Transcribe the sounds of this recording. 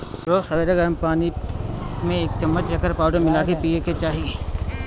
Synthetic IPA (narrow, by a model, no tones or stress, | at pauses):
ɾoːsɐʋeɾəɡəɾəmpaːni | mẽeːk̚t͡ʃɐmːət͡ʃekəɾpaːʊɖəmɪlaːkepiːeket͡ʃaːɦie